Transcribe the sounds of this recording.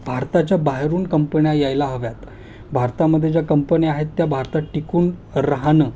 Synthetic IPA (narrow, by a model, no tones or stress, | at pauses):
bʱaɾt̪at͡ɕjabaɦɾuːnkəmpəɳjajajlaɦəʋjat̪ | bʱaɾt̪aməd̪ʱːjet͡ɕjakəmpəniaɦet̪ːjabʱaɾt̪aʈikuːnɾəɦanəː